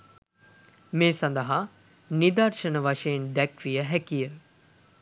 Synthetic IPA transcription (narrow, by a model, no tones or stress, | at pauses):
meːsand̪əɦa | nid̪arʂənəʋaʂejend̪ɛkʋijəɦækijə